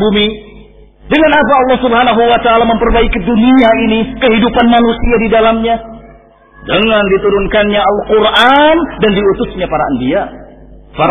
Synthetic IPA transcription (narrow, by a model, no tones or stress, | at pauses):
bumi | dəŋanap̬aːlːɑhsubəɦanaɦuwat̪aːlaməmpərbaikiduniainikəɦidupanmanusiadidalamɲa | dəŋandit̪uɾʊnkanɲaalqʊrʔandandiut̪ʊsɲapaɾa̰ʔəndia | paɾ